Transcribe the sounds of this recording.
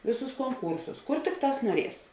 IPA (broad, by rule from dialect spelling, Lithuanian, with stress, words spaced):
ˈʋʲeːˌsuːs koːŋˈkuːrsʊs ˈkʊr ˈtʲɪkˌtɑːs nuɔˈrʲiɛs